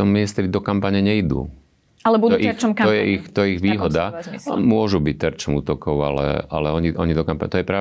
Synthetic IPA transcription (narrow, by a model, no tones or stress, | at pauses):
ɔmminist̪ɾid̪ɔkampaɲɛɲɛid̪ṵː | alɛbud̪ik̪ɔjɛʔixt̪ɔjɛiɣʋiːɦɔd̪amʊɔʒubic̚t̪ɛɾt͡ʃɔmuːt̪ɔkɔʊa̰lɛ̰a̰lɛɔɲiʔɔɲid̪ɔkampaɲt̪ɔjɛpɾa